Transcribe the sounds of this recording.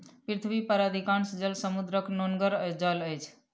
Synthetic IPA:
pɾit̪ʰbipəɾad̪ʱikansd͡ʒəlsəmud̪ɾəknonɡəɾd͡ʒələjt͡ʃʰ

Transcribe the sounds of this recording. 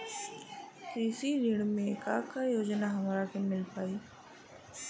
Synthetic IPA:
kɾisiɾiɽ̃mẽkaːkajoːd͡ʒnaɦɐmaɾakemɪlpaːiː

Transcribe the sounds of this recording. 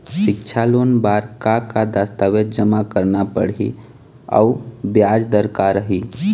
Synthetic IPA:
ʃɪkt͡ʃʰalonbaːɾkakad̪ast̪əwet̪̚d͡ʒəmakəɾnapə̰ɽ̤ḭ | ɔ̰ʊbjaːd͡ʒd̪əɾkaɾəɦiː

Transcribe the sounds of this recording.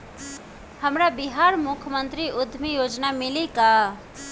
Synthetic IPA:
həmɾabiɦaɾmʊkʰjəmənt̪ɾiʔʊd̪ʱmijod͡ʒnamilika

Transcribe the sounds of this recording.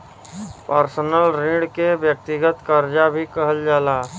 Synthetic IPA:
pəɾsnəlɾĩɽkeʋjək̚t̪ɪɡət̪kəɾd͡ʒabʱikəɦəld͡ʒaːlaː

